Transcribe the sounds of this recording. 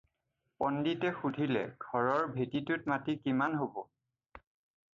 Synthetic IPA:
pɔnditɛxudʱilɛ̰ɡʱɔɹɔɹbʱetitutmatikimanɦobɔ

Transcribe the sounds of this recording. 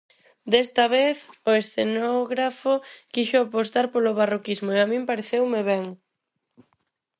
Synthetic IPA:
d̪est̪ɐβeθoesθenoɣɾafokiʃʊapost̪aɾpoloβarokizmoeamĩmpaɾeθewmeβɛŋ

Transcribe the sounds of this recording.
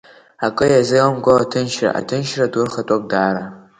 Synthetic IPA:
akʼɨjazɨmɡʷoatʰɨnʃra̰ʔa̰tʰɨnʃradwʊrχatʼak̚ʼdaːɾa

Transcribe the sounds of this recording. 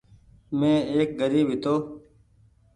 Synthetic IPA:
mẽːeːk̚ɡəɾiːbʱɦɪt̪oː

